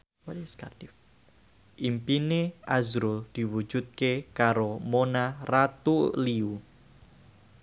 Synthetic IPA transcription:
askard̥if | ʔimpineʔazɾʊld̪̥i̤wu̥d͡ʒ̥ṳt̪̚kekaɾomonarat̪uliu

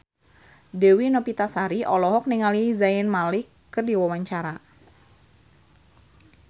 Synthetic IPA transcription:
dɛwinɔpit̪asaɾiʔɔlɔɦɔk̚niŋalizaɪnmalɪkːərdiwawaɲt͡ʃaɾa

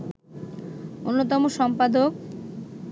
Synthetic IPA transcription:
onːot̪̬ɔmoʃɔmpad̪ok

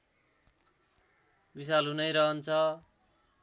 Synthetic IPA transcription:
bis̬alɦunʌjɾʌɦʌnt͡sʰʌ

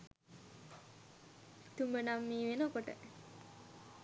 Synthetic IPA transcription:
t̪umbənamːiːʋenəkoʈə̰

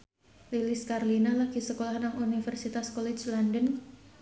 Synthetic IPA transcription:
liliskarlinalahɡisəkolahnaŋunifərsit̪askɔlɛt͡ʃlandən

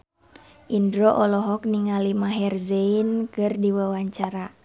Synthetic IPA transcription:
ʔindɾɔʔɔlɔɦɔk̚niŋalimaɦɛrzɛinkɨrdiwawaɲt͡ʃaɾa

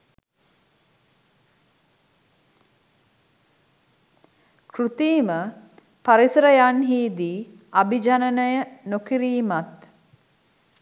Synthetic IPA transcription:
krut̪iːmə | paɾisɾəjanɦiːd̪iː | abid͡ʒanənəjənokiɾiːmat̪

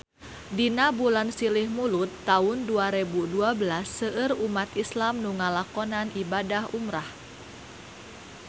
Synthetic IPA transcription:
dinabulansilɪhmulʊt̪ːaʊnduaɾebuduabəlasːəʔərumat̪islamnuŋalakɔnanibadahumɾah

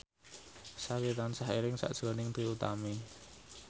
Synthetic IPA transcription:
sakit̪ansaɦeɾɪŋsa̰ʔd̥ʒ̥ɔ̤nɪŋt̪ɾiut̪a̰me

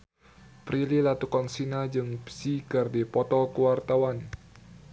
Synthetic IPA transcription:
pɾililat̪ukɔnsinad͡ʒɨŋpsikərdipɔt̪ɔkəwart̪awan

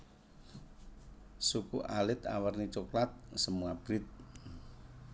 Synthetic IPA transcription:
sukuʔalɪt̪a̰wərnit͡ʃoklat̪̚səmuab̥ɾit̪̚

